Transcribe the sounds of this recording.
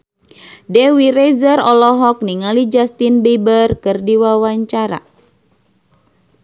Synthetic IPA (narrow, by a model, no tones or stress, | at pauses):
dɛwiɾezərɔlɔɦɔk̚niŋalid͡ʒast̪inbebərkɨrdiwawaɲt͡ʃaɾa̰